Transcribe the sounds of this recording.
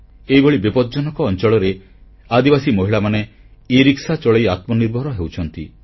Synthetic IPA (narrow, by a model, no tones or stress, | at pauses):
eɦiboɭibipɔd̪̚d͡ʒɔnɔkɔːnt͡ʃɔɭɔɾe | ad̪ibasimɔɦiɭamane | iɾiksat͡ʃɔɭejat̪mɔniɾbʱɔɾɔɦewt͡ʃʰɔnt̪i